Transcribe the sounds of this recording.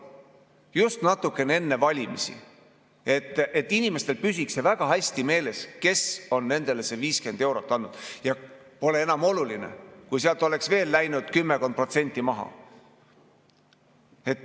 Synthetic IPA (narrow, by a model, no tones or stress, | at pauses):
just̪nɑt̪ːˑukːˑe̞nee̞nːe̞vɑlʲimisḭ | e̞t̪ːˑet̪ːinʲime̞st̪e̞lpysʲikse̞væɡ̥ɑɦæsʲt̪ime̞ːle̞ske̞so̞nːe̞nd̪̥e̞le̞se̞viːske̞nd̪e̞wɾo̞t̪ːˑɑnːud̪̥jɑ | po̞lee̞nɑmo̞lulinḛkujseɑlt̪ːˑo̞le̞ksve̞ːlːæjnud̪̥kymːeko̞nd̪̚pro̞t̪se̞nʲt̪ːˑimɑɦɑ̰ | e̞t̪ːˑ